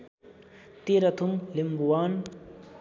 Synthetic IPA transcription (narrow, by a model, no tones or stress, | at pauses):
t̪eːɾɐt̪ʰumlimbuwaːn